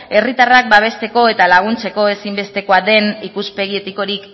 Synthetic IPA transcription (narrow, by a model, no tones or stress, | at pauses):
e̞rit̪arak̚baβ̞e̞st̪e̞ko̞e̞t̪alaɣ̞unt͡se̞ko̞e̞simbe̞st̪e̞koaðe̞nikuspe̞ɣ̞ie̞t̪iko̞ɾik